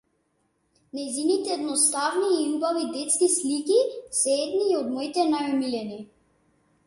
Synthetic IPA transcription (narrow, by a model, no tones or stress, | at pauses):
najzinit̪ɛːd̪nɔst̪avniːubavid̪ɛt̪skislikisɛɛd̪niːɔd̪mɔit̪ɛnajɔmilɛni